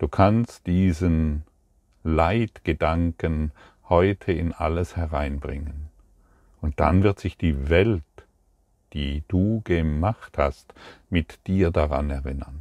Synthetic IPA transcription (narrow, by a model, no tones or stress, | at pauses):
d̥uːkʰanstd̥iːzən | laɪtɡ̥ədaŋkən | hɔʏtʰəɪnʔa̰ləshɛʁaɪnbʁɪŋən | ʊnt̚d̥a̰nvɪɐtz̥ɪçd̥iːvɛlt | d̥iːd̥uːɡəmaχthastmɪtd̥iːɐdaʁa̰nɛɐʁɪnɐn